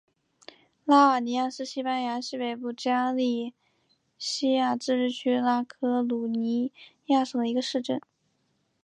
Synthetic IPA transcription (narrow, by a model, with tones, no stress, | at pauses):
la˥ə˞˨˩ni˧˥ja˥˩ʂɹ̩˥˧ɕi˥pa˥nja˧˥ɕi˥˩pe˨˩ɪpu˥˩t͡ɕja˥li˥˩ | ɕi˥ja˥˩t͡sɹ̩˥˧ɻɻ̩˥˩t͡ɕʰy˥la˥kʰɤ˥lu˨˩ni˧˥ja˥˩ʂɤ˥˩ŋd̪ə˧i˧˥ɡə˧ʂɻ̩˥˧ʈ͡ʂə˥˩n